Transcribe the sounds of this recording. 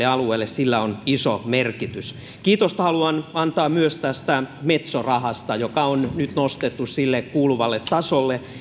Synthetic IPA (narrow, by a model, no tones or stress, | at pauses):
eɑlueːlːessilːæonisomerkit̪ys | kiːt̪ost̪hɑluɑnɑnt̪ɑːmyøst̪æst̪æmet̪sorɑhɑst̪ɑjokɑonnyt̪nost̪et̪ːussilːekkuːluʋɑlːet̪tɑsolːe